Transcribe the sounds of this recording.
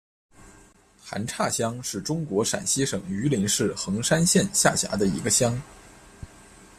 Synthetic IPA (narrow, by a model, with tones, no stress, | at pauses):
xa̰˧˥nʈ͡ʂʰa˥˩ɕjɑ˥ŋʂɻ̩˥˩ʈ͡ʂʊ˥ŋkwɔ˧˥ʂa̰˨˩nɕi˥ʂɤ˨˩ŋy˧˥li˧˥nʂɻ̩˥˩xɤ˧˥ŋʂa˥nɕjɛ˥˧nɕja˥˩ɕja̰˧˥d̪ə˧ḭ˧˥ɡə˧ɕjɑ˥ŋ